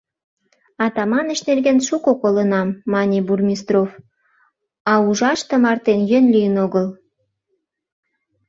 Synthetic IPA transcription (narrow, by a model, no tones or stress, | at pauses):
ɑt̪ɑmɑnə̆ʃnerɡenʃukokolənɑmːɑnʲiburmʲist̪rof | ɑuʒɑʃt̪ə̆mɑrt̪enjønlijənoɣəl